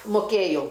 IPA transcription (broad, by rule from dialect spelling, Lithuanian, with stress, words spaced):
mʊˈkʲeːjɛʊ